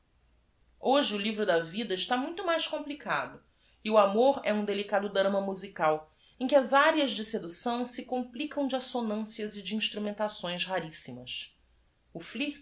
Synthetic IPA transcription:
oʒɪʊlivɾʊd̪ɐvid̪ɐɪʃt̪amũj̃t̪ʊmajʃkõplika̰d̪ʊ | ɪuamoɾɛũd̪elikad̪ʊd̪ɾɐ̃mɐmuzikaw | ẽkʲɪɐzaɾjɐzd͡ʒɪsed̪usɐ̃w̃sɪkõmplikɐ̃w̃d͡ʒɪasonɐ̃siɐzɪd͡ʒiĩʃt̪ɾumẽnt̪asõj̃shaɾisimɐs | ʊflih

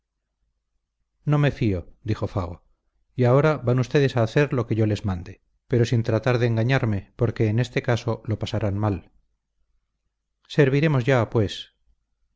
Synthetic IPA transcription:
no̞me̞fio̞d̪ixo̞faɣ̞o | iao̞ɾaβanust̪e̞ðe̞saːθe̞ɾlo̞ke̞ʝo̞le̞zmãnd̪e | pe̞ɾo̞sint̪ɾat̪aɾðeːŋɡaɲaɾme̞po̞ɾke̞ːne̞st̪e̞kaso̞lo̞pasaɾanmal | se̞ɾβiɾe̞mozʝapwe̞s

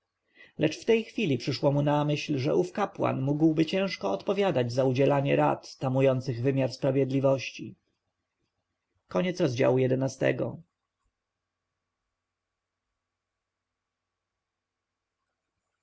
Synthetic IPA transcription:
lɛt͡ʂft̪ɛjxfʲilʲipʂɘʂwɔmunamɘɕlʐɛʔufkapwa̰nmuɡwbɘt͡ɕɛ̃ʂkɔːt̪pɔvʲjad̪ad͡ʑzaud͡ʑɛlaɲɛɾa̰t̪t̪ːamujɔnt̪sɘɣvɘmʲjaɾspɾavʲjɛd̪lʲivɔɕt͡ɕi | kɔɲɛt̪sɾɔzd͡ʑa̰wujɛd̪ɛnast̪ɛ̰ɡɔ̰

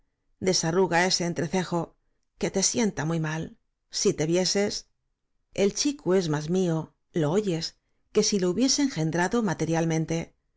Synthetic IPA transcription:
d̪e̞saruɣae̞se̞ːnt̪ɾe̞θe̞xo̞ | ke̞t̪e̞sje̞nt̪amujmal | sit̪e̞βje̞se̞s | e̞lt͡ʃikue̞zmazmio | lo̞oʝe̞s | ke̞silo̞uβje̞se̞ːŋxe̞nd̪ɾaðo̞mat̪e̞ɾjalmẽ̞nt̪e̞

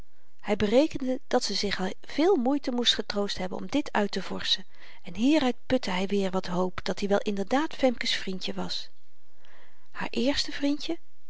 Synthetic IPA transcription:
hɛjbərejkəndəd̥ɑtsəzɪχ | v̥ɪːlˠmujtəmustχətrowstɦɛbənɔ̰mdɪtʰœɥtəvɔ̰ɹsən | ɛnɦiːɾœɥt̚pɵtəɦɛjʋɪːɹʋɑtɦowpd̥ɑtdiʋɛlˠʔɪndəɹdaːtfɛmkəsfrintjəʋɑs | ha̰ːɹʔɪːɹstəvrintə

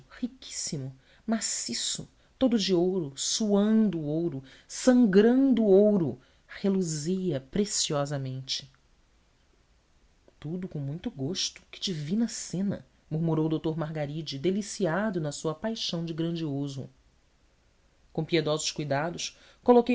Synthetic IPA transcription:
hikʲʰi̥simʊ | masisʊ̰ | t̪od̪ʊd͡ʒɪowɾʊsuɐ̃nd̪ʊowɾʊ | sɐ̃ŋɡɾɐ̃nd̪ʊːowɾʊ | heluzijɐpɾesiɔzɐmẽnt͡ʃɪ̥ | t̪ud̪ʊkõmũj̃t̪ʊɡoʃt̪ʊ̥kɪ̥d͡ʒivĩnɐsẽnɐ̰ | muɾmuɾowd̪owt̪oɾmaɦɡaɾid͡ʒɪd̪elisiad̪ʊnɐsuɐpajʃɐ̃w̃d͡ʒɪɡɾɐ̃nd͡ʒiozʊ̰ | kõpied̪ɔzʊʃkujd̪ad̪ʊʃ | kolokej

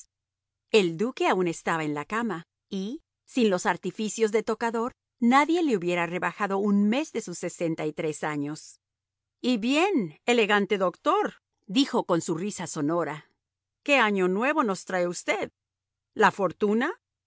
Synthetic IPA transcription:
e̞ld̪uke̞aune̞st̪aβae̞nlakama | i | sinlo̞saɾt̪ifisjo̞zðet̪o̞kaðo̞ɾ | naðje̞leuβje̞ɾare̞βaxaðo̞unme̞zðe̞susːe̞se̞nt̪ait̪ɾe̞saɲo̞s | iβje̞ne̞le̞ɣant̪e̞ðo̞kt̪o̞ɾ | d̪ixo̞ko̞nsurisaso̞no̞ɾa | ke̞aɲo̞nwe̞βo̞no̞st̪ɾaeust̪e̞ð | lafo̞ɾt̪una

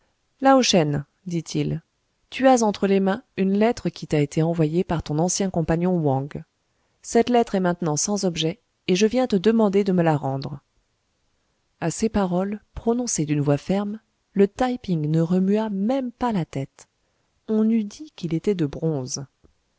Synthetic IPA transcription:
laoʃɛn | d̪it̪ʰil | t̪yazɑ̃t̪χəlemɛ̃ynlɛt̪χəkʲit̪aet̪ʰeɑ̃vwajepaʁt̪ɔ̃nɑ̃sjɛ̃kɔ̃paɲjɔ̃wɑ̃ɡ | sɛt̪lɛt̪χɛmɛ̃t̪nɑ̃sɑ̃zɔbʒɛ | eʒəvjɛ̃t̪əd̪əmɑ̃d̪ed̪əməlaʁɑ̃d̪ʁ | asepaʁɔlpχɔnɔ̃sed̪ynvwafɛʁm | lət̪ajpiŋnəʁəmyamɛmpalat̪ɛt̪ | ɔ̃nyd̪ikʲilet̪ɛd̪əbʁɔ̃z

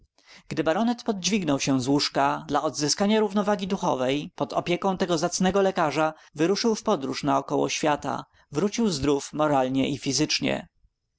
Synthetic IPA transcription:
ɡ̥d̪ɘbaɾɔnɛt̪pɔd̪̚d͡ʑvʲiɡnɔwɕɛ̃zwuʂkad̪laɔd̪zɘskaɲaɾuvnɔvaɡʲid̪uxɔ̰vɛjpɔt̪ɔ̰pʲjɛkɔ̃w̃t̪ɛɡɔzat̪snɛɡɔlɛkaʐa | vɘɾuʂɘwfpɔd̪ɾuʂnaɔkɔwɔ̰ɕfʲjat̪a̰ | vɾut͡ɕiwzd̪ɾufmɔɾalɲɛʔifʲizɘt͡ʂɲɛ̰

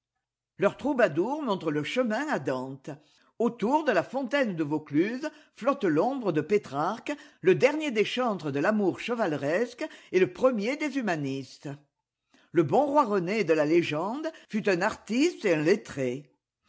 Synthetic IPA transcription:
lœʁt̪χubad̪uʁmɔ̃t̪χələʃəmɛ̃ad̪ɑ̃t̪ | ot̪uʁd̪əlafɔ̃t̪ɛnd̪əvoklyzflɔt̪lɔ̃bʁəd̪əpet̪χaʁkləd̪ɛʁnjed̪eʃɑ̃t̪χəd̪əlamuʁʃəvalʁɛskeləpχəmjed̪ezymanist̪ | ləbɔ̃ʁwaʁəned̪əlaleʒɑ̃d̪fyt̪ɛ̃naʁt̪ist̪eɛ̃let̪χe

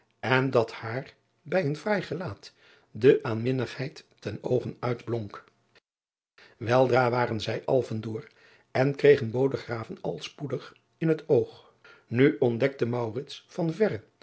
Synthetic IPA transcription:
ʔɛndɑthaːr | bɛjənvrɛjχəlaːt | dəʔaːnmɪnəχhɛjtː | ɛno̰wχənœɥdblɔŋk | ʋɛlˠdraːʋaːrənzɛjʔɑlˠvəndʊːr | ɛnkrejχənbowdəχraːvənɑlˠspudəχ | ɪnɦətowχ | nyʔɔndɛk̚təmɑwrɪtsfɑnvɛrə

